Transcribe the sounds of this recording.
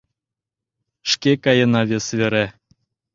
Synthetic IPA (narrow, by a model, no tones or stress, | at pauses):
ʃkekɑjə̆nɑvʲesvʲeɾæ